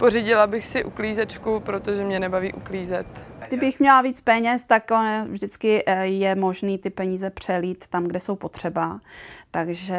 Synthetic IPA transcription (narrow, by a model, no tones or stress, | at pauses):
poriɟɪlabɪxsɪʔukliːzɛt͡ʃkupɾot̪oʒɛmɲɛnɛbavḭːʔukliːzɛt̪ɡdɪbɪxmɲɛlaviːt͡spɛɲɛst̪akonavʒdɪt͡skɪjɛmo̞ʒniːt̪ɪpɛɲiːzɛpr̝̥ɛliːt̪ːamɡdɛso̞wpo̞t̪r̝̥ɛbat̪aɡʒɛ